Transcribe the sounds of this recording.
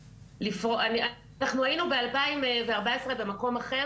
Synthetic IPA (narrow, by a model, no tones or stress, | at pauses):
lifʁoʔania | naχnuainube̞alpaimveaʁbaesʁe̞be̞mako̞maχe̞